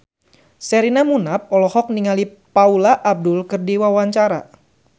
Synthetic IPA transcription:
sɛɾinamunap̚ɔlɔhɔk̚niŋalipaulaʔːb̚dʊlkɨrdiwawaɲt͡ʃaɾa̰

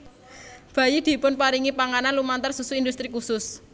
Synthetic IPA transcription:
b̥a̤jid̪̥i̤pʊnpaɾiŋipaŋananlumant̪ərsusuind̪ust̪ɾikusʊs

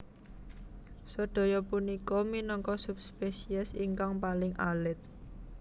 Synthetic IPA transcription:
səɖ̪̥o̤jɔpunikɔminɔŋkɔsup̚spesiɛsiŋkaŋpalɪŋʔalɪt̪̚

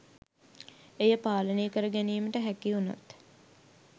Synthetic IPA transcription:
ejəpaːlənejkəɾəɡæniːməʈəɦækiuna̰t̪

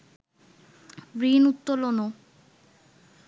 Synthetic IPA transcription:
bɾinut̪ːolono

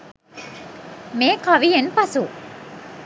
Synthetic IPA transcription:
mekʰɔːʋiɦenpasuʔ

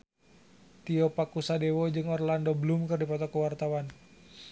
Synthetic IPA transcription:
t̪iɔpakusadewɔd͡ʒɨŋɔrlandoblumkɨrdipɔt̪ɔkəwart̪awan

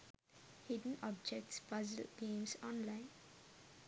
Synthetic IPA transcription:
hɪɖən̩ɔbd͡ʒek̚ʈspʌzəlɡ̥ẽːmsɔ̃nlãɪ̃n

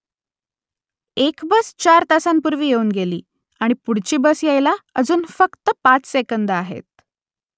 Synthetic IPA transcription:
ekbəst͡ɕaɾt̪asampuɾʋiːjeuːnɡelḭː | aɽ̃ipuɽt͡ɕiːbəsjejlaəd͡zuːnfəkt̪əpat͡ssekənd̪əaɦḛt̪̚

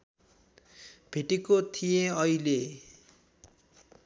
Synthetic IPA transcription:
bʱeʈekot̪ʰijeʌile

